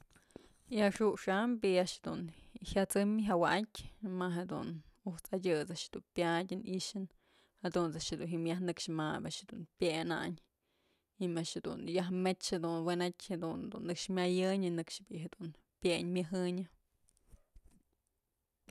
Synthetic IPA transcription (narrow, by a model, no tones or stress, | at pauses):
iaʔʂuʔʂambiaʔʂhed̪ṵnhjat͡sɨmɦawakʲmaɦed̪ṵnuht͡sadʲɨt͡saʔʃd̪unpʲadʲɨniʔʃɨn | had̪unt͡saʃhed̪unɦimjahnɨkʂmabʲaʔʃhed̪unpʲjena̰ɲ | imaʔʃhed̪ṵnjaɦmet͡ʃhed̪unwenetʲhed̪und̪ṵnːɨkʂmʲajɨɲɨnɨkʂbiʔɦed̪un | pʲeɲmʲɨɦɨɲɨ